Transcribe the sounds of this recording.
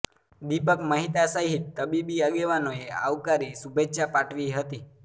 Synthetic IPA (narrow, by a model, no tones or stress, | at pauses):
d̪ipəkməɦit̪asəɦit̪ːəbibiaɡeʋanoea̰ʋkaɾisubʱeʃapaʈʰʋiɦət̪i